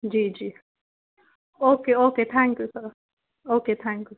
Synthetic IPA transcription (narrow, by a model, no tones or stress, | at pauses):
d͡ʒid͡ʒi | okeoket̪ʰãŋkjusɔ | oket̪ʰãŋkju